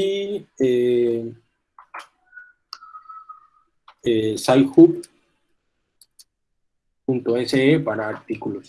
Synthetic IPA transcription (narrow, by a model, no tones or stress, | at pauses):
ie | esajxup | punt̪oeseepaɾaːɾt̪ikulos